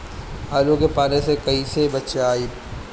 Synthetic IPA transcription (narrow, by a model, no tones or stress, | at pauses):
aːlõkepaːnesekɐisebɐtːt͡ʃeaːiː